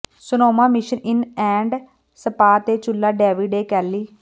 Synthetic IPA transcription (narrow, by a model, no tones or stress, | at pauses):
sʊnoːmãːmɪʃənɪnɛ̃ːɳɖ | səpaːt̪eːt͡ʃʊlːaːɖɛːʋiːɖeːkɛːlːiː